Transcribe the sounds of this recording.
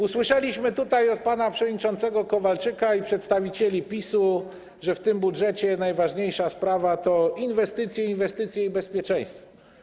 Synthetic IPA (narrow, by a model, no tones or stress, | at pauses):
uswɘʂɛlʲiɕmɘt̪ut̪ajɔt̪̚panapʂɛvɔd̪ɲit͡ʂɔnt̪sɛɡɔkɔvalt͡ʂɘkaipʂɛt̪st̪avʲit͡ɕɛlʲipʲisu | ʐɛft̪ɘmbudʐɛt͡ɕɛnajvaʐɲejʂaspɾavat̪ɔinvɛst̪ɘt̪sʲjɛinvɛst̪ɘt̪sʲjɛibɛspʲjɛt͡ʂɛ̃j̃st̪fɔɔ